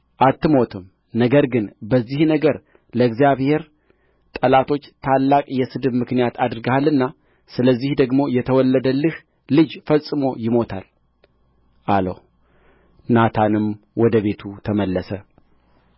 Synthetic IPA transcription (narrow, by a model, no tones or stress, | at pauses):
ʔat̪ːɨmo̞t̪ʰɨm | nəɡəɾɡɨnbəzːihnəɡəɾ | ləɨɡzijaβhe̞ɾ | t̪ʼəlat̪ʰo̞t͡ʃːt̪ʰalːakʼjɛsɨd̪ɨbmɨknijat̪ʰad̪ɨɾɨɡahalɨnːa | sɨləzːihd̪əɡmo̞jɛt̪ʰəwɔlːəd̪əlːɨh | lɨd͡ʒfəsʼɨmo̞jɪmo̞t̪ʰa̰l | ʔalə̰w | nat̪ʰanɨm | wɔd̪əβe̞t̪ʰut̪ʰəməlːəsə